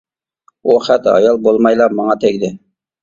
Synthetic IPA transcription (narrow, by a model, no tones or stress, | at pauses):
oχɛt̪ɑ̰jɑlˠbolˠmɑjlˠɑmɑŋɑt̪ʰɛɡʲd̪ɪ